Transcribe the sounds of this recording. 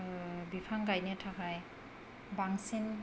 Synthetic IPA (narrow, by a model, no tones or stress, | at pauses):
bipʰaŋɡajnetʰakʰaj | baŋsin